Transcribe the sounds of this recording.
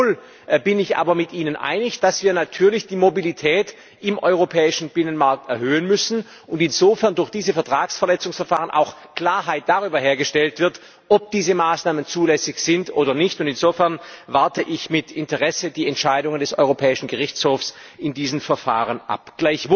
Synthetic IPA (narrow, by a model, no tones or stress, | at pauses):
l | bɪnɪçʔa̰ːbɐmɪtʔiːnənʔa̰ɪnɪçd̥asv̥iːɐnatʰyːɐlɪçd̥iːmobilitʰɛːt | ʔɪmʔɔʏʁopʰɛːɪʃn̩bɪnənmaɐk̚tɛɐɦøːənmʏsn̩ | ʊntɪnzoːfɛɐndʊɐçd̥iːzəfɛɐtʁ̥aːksfɛɐlɛt͡sʊŋsfɛɐfaːʁənʔa̰ʊxkl̥aːɐɦaɪt̚d̥aʁyːbɐɦeːɐɡəʃtɛltv̥ɪɐt | ʔɔp̚d̥iːzəmaːsnaːmənt͡suːlɛsɪçz̥ɪntʔoːɾɐnɪçtʊntɪnzofɛɐnvaɐtəʔɪçmɪtɪntəʁɛsədiːɛntʃaɪdʊŋəndɛsɔ̰ʏʁopʰɛːɪʃn̩ɡəʁɪçt͡shoːfsɪndiːzmfɛɐfa̰ːʁənʔa̰pɡ̥laɪç